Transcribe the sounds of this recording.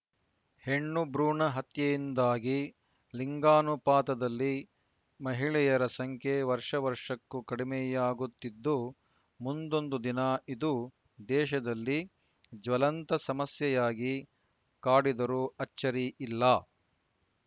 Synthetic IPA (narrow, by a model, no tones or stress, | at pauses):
heɳːubɾuːɳɐɦɐt̪jɐjind̪aːɡi | liŋɡaːnupaːt̪ɐd̪ɐlːi | mɐɦiɭɛjɐɾɐsɐŋkʰjeʋɐɾʂɐʋɐɾʂɐkːukɐɽimɛjaːɡut̪ːid̪ːu | mund̪o̞nd̪ud̪inɐid̪u | d̪ɛːʃɐd̪ɐlːi | d͡ʒʋɐlɐnt̪ɐsɐmɐsjɐjaːɡi | kaːɽid̪ɐɾuɐt͡ʃːɐɾiʔilːɐː